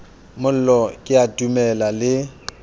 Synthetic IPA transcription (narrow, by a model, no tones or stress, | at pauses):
mʊl̩lɔkʼɪatʼumɛlalɪ